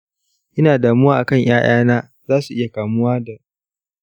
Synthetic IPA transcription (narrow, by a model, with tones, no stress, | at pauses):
ʔɪ˦naː˨daː˨mʊ˦waː˦ʔa˨kɐ˦˨ɲj̰aː˦j̰aː˦naː˦ | zaː˦su˨ʔɪ˦ja˨kaː˨mʊ˦waː˦da˨ʔ